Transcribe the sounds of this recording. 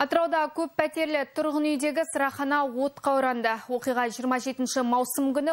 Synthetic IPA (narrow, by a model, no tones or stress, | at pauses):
ɑt̪əɾɑwd̪ɑkʲʰɵppæt̪e̞ɾlɪt̪ʰʊɾʁənʏjd̪e̞ɡʲɪsəɾɑχɑnɑwo̞t̪qʰɑwɾɑnd̪əwo̞qijʁɑʒijəɾmɑʒe̞t̪ɪnʃɪmɑwsəmkʲʏnɪ